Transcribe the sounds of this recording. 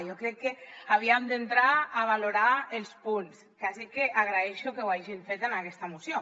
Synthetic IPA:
jokɾɛkːeaβ̞iamd̪ent̪ɾaːβ̞aloɾaelspuns | kazikeʔaɣɾaeʃokewaʒiɱfet̪enakɛst̪aemusjo

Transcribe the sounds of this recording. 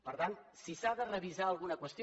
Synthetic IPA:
pəɾt̪ant̪sisaðərəβizaəlˠɣunəkwəst̪i

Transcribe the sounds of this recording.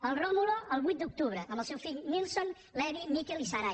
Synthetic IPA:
əlˠromuloʔəlˠβut̪̚d̪uk̚t̪uβɾəʔəmbəlˠsɛwfiʎnilˠson | lɛðimikɛlisaɾa

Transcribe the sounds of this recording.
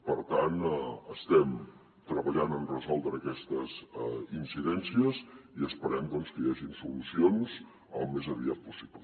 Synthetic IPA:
pəɾt̪anəst̪ɛm | t̪ɾəβəʎanənrəzɔlˠd̪ɾəːkɛst̪əzinsiðɛnsiəziəspəɾɛmd̪ɔnskəjaʒinsulusionz | əlˠmezəβiat̪̚pusiβlə

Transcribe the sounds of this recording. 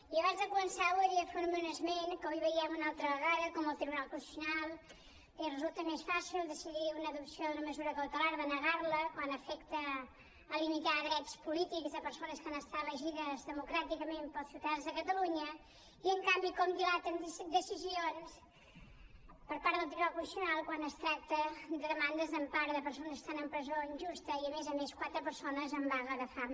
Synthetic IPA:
iɐβãnzðɐkumənsaoʎɐfoɾumunɐzmẽnkojβɐiɐmunalˠt̪ɾɐɐɣaðɐkomuɐlˠt̪ɾiβunalˠkũsi̥sjunalˠ | erəzulˠt̪ɐmeʃfasilˠd̪əsiðiɾunɐðupsijõd̪unɐməzuɾɐkɐwt̪ulˠaɾðɐnɐɣaɾlˠɐkwand̪ɐfɛkt̪ɐː | lˠimit̪aɾðɾɛt̪spulit̪ikzɐpəɾsonɐskanɐst̪aɾlˠəʒiðɐzðəmukɾat̪ikəmempəlˠsiuwðəðanzðəkət̪əluɲə | iəŋkambikɔmd̪ilat̪ənsd̪əsizions | pəɾpaɾðəlˠt̪ɾiakusiunalˠkwanəst̪ɾak̚t̪əd̪əðəmand̪əzəmpaɾðəpəɾs̬onzst̪anəmpɾəzoinʲʒust̪əiəmezəmeskwat̪ɾəpəɾsonəzəmbaɣəɣəfa

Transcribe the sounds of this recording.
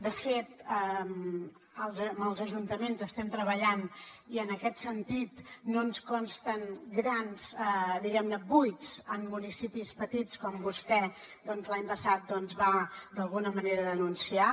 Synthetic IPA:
d̪əfet̪̚əm | əlˠzməlˠzəʒunt̪əmenzəst̪ɛmt̪ɾəβəʎan | iənəkɛt̪sənt̪it̪nonskɔnst̪ənɡɾanz̥əd̪iɣɛmnəbujt͡səmːunisipispət̪it͡skɔmbust̪ɛ | d̪ɔnzlaɲpəsat̪̚d̪ɔnzβad̪əlˠɣunəməneɾəðənunsia

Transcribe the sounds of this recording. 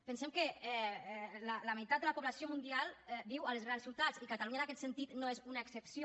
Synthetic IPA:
pənsɛmkəɛɛlələməjt̪at̪d̪ələpuβlasijomund̪ialˠɛdiwəlsɣansulˠt̪at͡sikat̪aluɲənakɛt̪sənt̪it̪noezunaeksəpsjo

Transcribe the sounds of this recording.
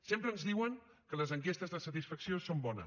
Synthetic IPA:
sempɾənzðiwəŋ | kələzəŋkest̪əzðəsət̪isfəksiosombɔnə̰

